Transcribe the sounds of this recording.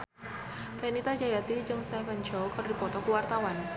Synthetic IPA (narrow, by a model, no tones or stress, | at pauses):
fenit̪ad͡ʒajat̪id͡ʒɨŋst̪ɛmɛɲd͡ʒɔkaɾdi̤pɔt̪ɔkuwart̪awan